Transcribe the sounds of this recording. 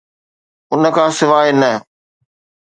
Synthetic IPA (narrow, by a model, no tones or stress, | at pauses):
ʊnə̆kʰãːsɪʋaːinə